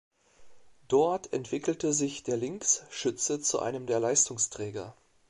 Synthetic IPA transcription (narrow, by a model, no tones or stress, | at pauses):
d̥ɔɐtʰɛ̰ntv̥ɪkl̩təzɪçd̥eːɐlɪŋksʃʏt͡sət͡suʔa̰ɪnəmdeːɐlaɪstʊŋstʁ̥ɛːɡɐ̰